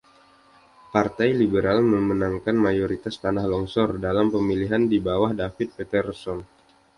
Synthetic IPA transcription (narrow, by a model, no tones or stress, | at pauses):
part̪ajlibəɾalməmənaŋkanmajoɾit̪ast̪anahlɔŋsɔrdalampəmiliɦandibawahdafɪt̪̚pet̪ərsɔŋ